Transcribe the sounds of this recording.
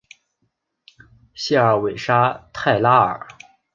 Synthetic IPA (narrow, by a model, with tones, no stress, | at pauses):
ɕjɛ˥˩ə˞˧˩we˨˩ɪʂa˥t̪ʰa˥˩ɪla˥ə̰˞˨˩˦